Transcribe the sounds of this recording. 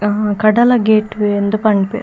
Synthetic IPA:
kɐɖɐlɐɡeːʈend̪upɐɳɖpḛɾ

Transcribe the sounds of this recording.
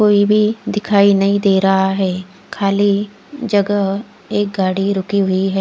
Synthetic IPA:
koːibʱid̪ɪkʰaːinɐɦĩd̪eːɾɐɦaɦɛː | kʰaːli | d͡ʒəɡəɦ | eːk̚ɡaːɽiɾʊkiɦʊiɦɛː

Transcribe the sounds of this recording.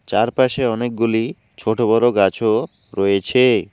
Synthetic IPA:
t͡ɕaɾpaʃeɔnek̚ɡuli | t͡ɕʰoʈobɔɾoɡat͡ɕʰo | ɾɔjet͡ɕʰe

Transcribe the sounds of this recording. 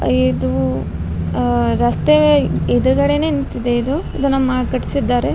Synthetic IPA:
id̪u | ɾɐst̪eʋeid̪ɐɾuɡɐɽene̞ːnit̪ːid̪eid̪uid̪unɐmːɐkɐʈi̥sid̪ːaːɾe

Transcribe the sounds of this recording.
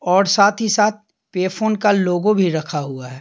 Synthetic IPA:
ɔːɾsaːt̪ʰɦisaːt̪̚ | peːpʰoːnkaloːɡõbʱiɾɐkʰaɦuaɦɛː

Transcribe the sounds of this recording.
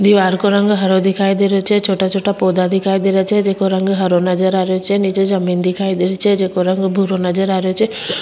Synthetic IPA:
d̪iʋaɾkoɾəŋɡɦəɾod̪ikʰajd̪eɾot͡ʃʰet͡ʃʰoʈat͡ʃʰoʈapod̪ad̪ʱikʰajd̪iɾet͡ʃʰed͡ʒekoɾəŋɡɦəɾonəd͡ʒəɾaɾjot͡ʃʰenid͡ʒed͡ʒəmind̪ikʰajd̪iɾt͡ʃʰed͡ʒekoɾəŋɡbʱuɾonəd͡ʒəɾaɾjot͡ʃʰe

